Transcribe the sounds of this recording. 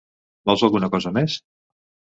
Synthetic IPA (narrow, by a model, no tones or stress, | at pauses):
bɔlˠzalˠɣunəkɔzəmes